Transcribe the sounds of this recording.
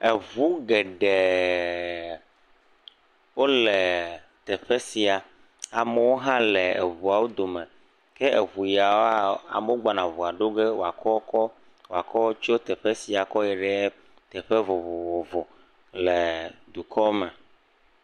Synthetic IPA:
e˨vu˦ɡɛ˨ɖɛ˨ | wo˦lɛ˨t̪ɛ˨ɸe˦si˨a˨ | a˨me˨˦wo˦ɦã˦lɛ˨ḛ˨vu˨a˨wo˦d̪o˨mɛ̃˨ | kɛ˦e˨vu˨ja˨wa˦a̰˨me˦wo˦ɡ͡ba˨nã˨vu˨a˨ɖo˦ɡe˦wo˨a˨kɔ˦kɔ˦ | wo˨a̰˨kɔ˦t͡ʃo˦t̪ɛ˨ɸe˦si˨a˨kɔ˦jɛ˨ɖɛ˨˦ | t̪ɛ˨ɸe˦vo˨vo˨o˨vo˨ | lɛ˨d̪u˨kɔ˦mɛ˨

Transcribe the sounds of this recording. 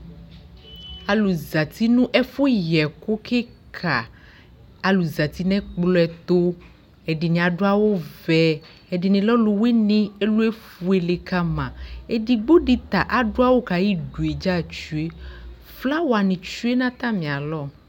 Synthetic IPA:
a˨lu˨za˨t̪i˦nũ˦ʔɛ˦fo˦jɛ˨ko˦kʰe˦kʰa˨ | a˨lu˨za˨t̪i˦nɛ̃˦k͡plɔ˦ɛ˨t̪o˦ | ɛ˨ɖi˨nĩ˨a˨ɖo˦a˦wo˦vɛ˨ | ɛ˨ɖi˨nĩ˨lɔ˦lo˨we˦nĩ˦e˦lu˦e˦fu˨e˨le˨ka˦mã˨e˦ɖi˨ɡ͡bo˦ɖi˨t̪a˨ʔa˨ɖo˦a˦wo˦ka˨ji˦ɖu˨e˨d͡ʒa˦˨t͡ʃu˦e˦ | fla˦wa˨nĩ˨t͡ʃu˦e˦nã˦t̪a˦mĩ˨a˨lɔ˦˨

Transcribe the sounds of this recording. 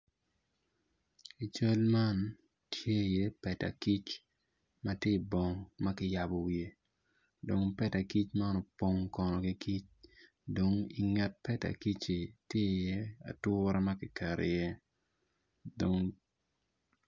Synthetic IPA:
i˨t͡ʃo˦lma˦n | tje˦˨je˦pɛ˨ta̰˨ki˦t͡ʃ | ma˦tje˦˨bɔ˨ŋma˦kɪ˦ja˨bɔ˨wje˨ | do˨ŋpɛ˦ta˨ki˦t͡ʃma˦ɔ˦nɔ˨po˦ŋkɔ˨nɔ˨ki˦ki˦t͡ʃ | do˨ŋi˨ŋɛ˨t̚pɛ˦ta̰˨ki˦t͡ʃi˨tje˦˨je˦a̰˨tʊ˦ɾa˦ma˦kɪ˨kʰɛ˨ɾʔḛ˨jɛ˦ | do˨ŋ

